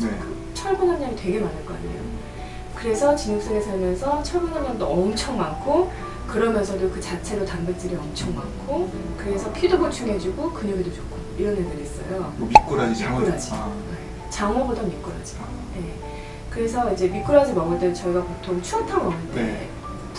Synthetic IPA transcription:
nekɯ | t͡ɕʰʌɭbunɦanɲaŋitwe̞ɡe̞manaɭk͈ʌkaɲḛjo̰ | kɯɾe̞sʰʌt͡ɕinuŋs͈eŋesʰaɭmjʌnsʰʌt͡ɕʰʌɭbunɦanɲandoʌmt͡ɕʰʌŋmaŋkʰo | kɯɾʌmjʌnsʰʌdokɯt͡ɕat͡ɕʰe̞ɾotambek̚t͈ɯɾiʌmt͡ɕʰʌŋma̰ŋkʰo | kɯɾe̞sʰʌpʰidobuɭt͡ɕʰuŋɦe̞d͡ʑiɡokɯɲʌɡidot͡ɕokʰo | iɾʌnːedɯɾiːs͈ʌ̰jomik͈uɾɾad͡ʑije | t͡ɕaŋɦʌɡodʌmik͈ɯɾa̰d͡ʑije̞ | kɯɾe̞s̬ʰʌid͡ʑe̞mik͈oɾad͡ʑimʌɡoɭt͈et͡ɕʌiɡapotʰoŋt͡ɕʰuatʰamʌŋɯnde

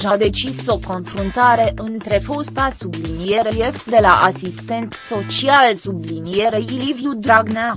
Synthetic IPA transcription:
ʒad̪e̞t͡ʃiso̞ko̞nfɾunt̪aɾe̞ʔɨnt̪ɾe̞fo̞st̪asublinije̞ɾelije̞fd̪e̞laʔasist̪e̞nt̪so̞t͡ʃialsublinije̞ɾe̞ilivjud̪ɾaɡna

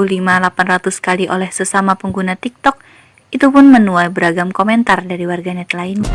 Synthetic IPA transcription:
ulimalapanrat̪uskaliʔo̰lɛhsəsamapəŋɡunat̪ik̚t̪ɔk̚ | it̪upʊnmənuajbəɾaɡamkomɛnt̪ardaɾiwarɡanɛt̪lain

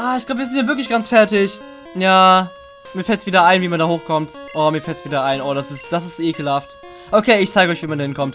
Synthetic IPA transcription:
ʔaːɪçɡ̥labəviːzɪntdɛnvɪɐklɪçɡ̥ant͡sfɛɐtɪç | jaː | miːɐfɛltsv̥iːdɐaɪnviːmandaːhoːxkʰɔmtʔoːmiːɐfɛltsv̥iːdɐaɪnʔoːɾasɪstd̥as̬ɪstʔeːkəl̩haft | ʔokʰeːɪçt͡saɪɡəɔʏçviːmandahɪnkʰɔmt

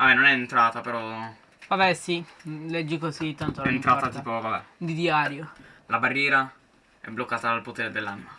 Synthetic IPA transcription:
vabɛnonɛent̪ɾaːt̪apeɾɔ | vabɛsilɛd͡ʒːikozit̪ːant̪oent̪ɾaːt̪at̪iːpovabɛd̪id̪jaːɾjolabarːjɛːɾa | ɛ̰bːlokːaːt̪aalpot̪eːɾed̪elːanma

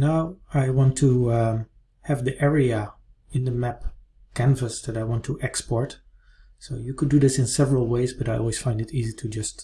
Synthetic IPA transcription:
naʊaɪwɑ̃ntʰu | hɨvðiʔɛɹiɨ | ɨ̃nðəmæp | kʰæ̃nvəsðɨɾaɪwɑ̃ntʰuʔɛkspɔɹt | soʊjɨkʰɨdɨðɪsɨ̃nsɛvəɹəl̩ˠweɪzbʌɾaɪɔ̰lˠwiz̥fãɪ̃ndɨɾiziɾʰɨd͡ʒʌst

